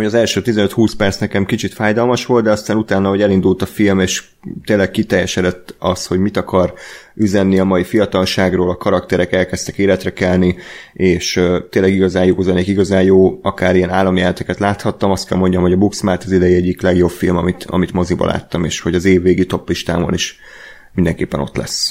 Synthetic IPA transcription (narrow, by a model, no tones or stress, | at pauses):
oɟɒzɛlʃøːt̪izɛnøt̪huːspɛrt̪snɛkɛmkit͡ʃit̪faːjd̪ɒlmɒʃʋo̞ld̪d̪ɛɒst̪aːnut̪aːnːɒɦo̞ɟɛlind̪ult̪ɒfilmeːʃ | t̪eːlːɛk̚kːit̪ɛjːɛʃɛd̪ɛt̪ːɒsho̞ɟmit̪ɒkɒryzɛnːiɒmɒifijɒt̪ɒlʃaːɡroːlɒkɒɾɒkt̪ɛɾɛkɛlkɛst̪ɛkeːlɛt̪rɛkɛlnieːʃt̪eːlɛɡiɡɒzaːjoːzɛneːkiɡɒzaːjjoːɒkaːɾijɛnaːlːɒmjɛlɛt̪ɛkɛt̪laːt̪hɒt̪ːɒmɒst̪kɛlmo̞ɲɟɒmho̞ɟɒbuksmaːrt̪ɒzid̪ɛjiɛɟːiklɛɡjo̞bfilmɒmit̪ɒ̰mit̪mozibɒ̰lʔa̰ːt̪ːɒmeːʃho̞ɟɒzeːvːeːɡit̪o̞pːiʃt̪a̰ːmoniʃ | mind̪ɛŋkeːpːɛno̞̰t̪lɛ̰sː